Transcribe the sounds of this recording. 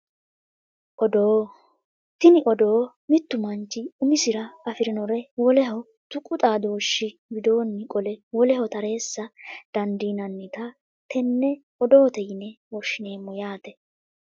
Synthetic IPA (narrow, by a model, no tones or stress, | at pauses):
ʔɔd̪oː | t̪ɪnɪʔɔd̪o̞ː | mɪt̪ːʊmɐnt͡ʃːɪʊmɪsɪɾɐɐfɪɾɪnɔɾɛwɔlɛɦɔ | t̪ʊkʼʊt̪ʼaːd̪oːʃːɪ | bɪd̪oːnːɪkʼɔlɛwɔlɛhɔt̪ɐɾe̞ːsːɐd̪̥ɐnd̪iːnɐnːɪt̪ɐ | t̪ɛnːɛ | ɔd̪o̞ːt̪ɛjɪnɛ | wɔʃːɪne̞ːmːɔjaːt̪ɛ